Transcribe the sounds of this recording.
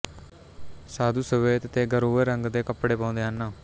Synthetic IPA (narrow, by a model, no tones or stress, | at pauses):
saːd̪uːsəʋeːt̪t̪eːɡəɾoːeːɾəŋɡd̪eːkəpɽeːpãːnd̪eːɦanːaː